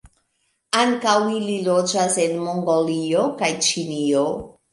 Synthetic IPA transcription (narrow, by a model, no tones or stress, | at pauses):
aŋkawililod͡ʒase̞nmoŋɡoliokajt͡ʃinio